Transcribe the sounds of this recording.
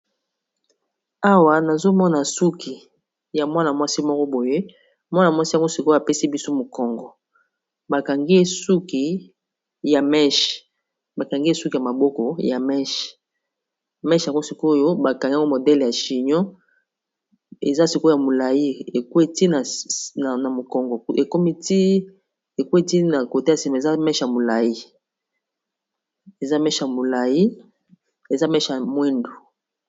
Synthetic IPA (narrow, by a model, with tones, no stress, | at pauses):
a˦wa˨na˨zo˦mɔ˦na˨su˦ki˨ | ja˨mwa˦na˨mwa˦si˦mɔ˦kɔ˦bo˨je˦ | mwa˦na˨mwa˦si˦ja˨ŋɡo˦si˨ko˦a˨pe˦si˦bi˦so˦mo˨kɔ˨ŋɡɔ˨ | ba˨ka˨ŋɡi˦e˦su˦ki˨ | ja˨mɛ˦ʃ | ba˨ka˨ŋɡi˦e˦su˦ki˨ja˨ma˨bɔ˦kɔ˨ja˨mɛ˦ʃ | mɛ˦ʃa˨ŋɡo˦si˨ko˦jo˦ba˨ka˨ŋɡo˦mo˨dɛ˦lja˨ʃi˨ɲɔ̃˦ | ḛ˨za˦si˨ko˦ja˨mo˨la˨ji˦e˨kwe˦ti˦na˨ | na˨mo˨kɔ˨ŋɡɔ˨˦e˨ko˦mi˦ti˦ | e˨kwe˦ti˦na˨ko˨te˦ja˨si˨ma˨za˦mɛ˦ʃja˨mo˨la˨ji˦ | e˨za˦mɛ˦ʃa˨mo˨la˨ji˦ | e˨za˦mɛ˦ʃja˨mwɛ˦ndo˨